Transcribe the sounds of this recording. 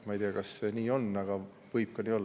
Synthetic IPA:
mɑijd̪eɑkɑsːeniːo̞nɑɡɑ | vɤjb̥̚kɑniːo̞lː

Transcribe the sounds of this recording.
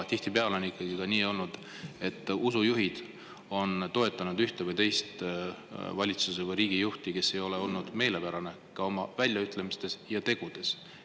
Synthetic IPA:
t̪iht̪ipeɑleo̞nikˑːɑɡ̥ikɑniːo̞lnud̪̥ | e̞t̪ːˑusujuɦid̪̥ | o̞nt̪o̞e̞t̪ːˑɑnud̪yht̪evɤjt̪e̞jst̪ | vɑlʲit̪susevɤjɾiːɡ̥ijuht̪ike̞sːe̞jo̞le̞o̞lnud̪̥me̞ːle̞pæɾɑne̞ | kɑo̞mɑvælʲjɑyt̪le̞mist̪e̞sjɑt̪e̞ɡ̥ud̪̥e̞s

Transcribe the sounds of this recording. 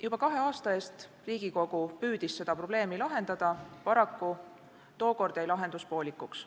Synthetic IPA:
jubɑkɑɦe̞ɑːst̪ɑe̞ːst̪ | riːɡ̥iko̞ɡ̥upyːd̪̥isse̞d̪̥ɑpro̞b̥le̞ːmilɑɦe̞nd̪̥ɑd̪̥ɑpɑɾɑkːu | t̪o̞ːko̞rd̪̥ɑjlɑɦe̞nd̪̥uspo̞ːlikːˑuks

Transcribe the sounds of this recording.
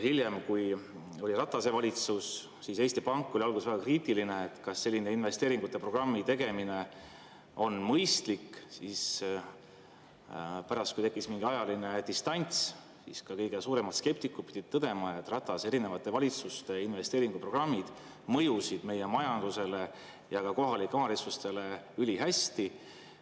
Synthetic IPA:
hilje̞mkuj | o̞lʲirɑt̪ːˑɑse̞vɑlʲit̪sus | sise̞ːst̪ipɑŋkˑːo̞liɑlɡusvæɡ̥ɑkriːt̪iline̞et̪ːˑkɑsːe̞lʲːineinve̞st̪eːɾiŋɡ̥ut̪ˑːe̞pro̞ɡ̥rɑmːit̪e̞ɡe̞mine̞ | o̞nmɤjst̪likːsis | pæɾɑst̪kujt̪e̞kːˑismiŋɡiɑjɑline̞t̪ist̪ɑnʲt̪s | sḭskɑkɤjɡe̞suːɾe̞mɑt̪ske̞p̚t̪ikːˑupid̪̥ʲid̪̚t̪ɤd̪̥e̞mɑet̪ːˑrɑt̪ːˑɑse̞ɾine̞vɑt̪ːˑe̞vɑlʲit̪sust̪e̞inve̞st̪e̞ːɾiŋɡupro̞ɡrɑmːid̪̥ | mɤjusid̪̥me̞je̞mɑjɑnd̪̥use̞le̞ | jɑkɑko̞ɦɑlikːˑeɑːɾesust̪e̞le̞ylʲiɦæst̪i

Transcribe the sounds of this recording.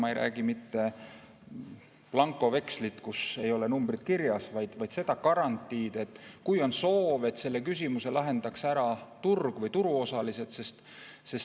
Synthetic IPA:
mɑejɾæ̰ːɡ̥imit̪ːe̞ | plɑŋkːˑo̞ve̞kslit̪kuse̞jo̞lenumbrit̪kirjɑsvɑjd̪̥vɑjd̪se̞d̪̥ɑkɑɾɑnt̪ːˑiːd̪̥e̞t̪ːˑkujo̞nso̞ːve̞t̪se̞lːe̞kys̬ʲimuse̞lɑɦe̞nd̪̥ɑksæɾɑt̪urɡ̥vɤjt̪uɾuo̞sɑlise̞t̪se̞st̪ | se̞s

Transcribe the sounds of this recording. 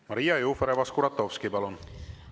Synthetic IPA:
mɑɾijɑjufeɾevɑskuɾɑt̪ːofskibɑlon

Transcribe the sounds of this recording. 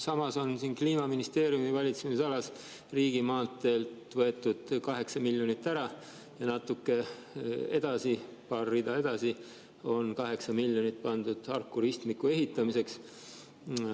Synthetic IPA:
sɑmɑso̞nsinkliːmɑminist̪e̞ːɾijumivɑlʲit̪semisisɑlɑs | riːɡ̥imɑːt̪ːˑe̞lt̪vɤe̞t̪ːˑud̪̥kɑɦe̞ksɑmilʲjonit̪ːæɾɑ | jɑnɑt̪ːˑukːe̞ | e̞̰d̪̥ɑsipɑːrːid̪̥ɑe̞d̪̥ɑsi | o̞nkɑɦe̞ksɑmilʲːjonit̪pɑnd̪̥ud̪̥ɑrkːuɾist̪mikːˑue̞ɦit̪ˑːɑmise̞ks

